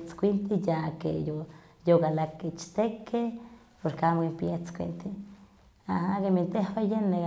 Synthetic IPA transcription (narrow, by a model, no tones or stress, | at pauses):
t͡skʷint̪ijakḛjo | joɡalaket͡ʃt̪eke | poɾkamwimpjet͡skʷḭnt̪i | aɦakemint̪ehwejene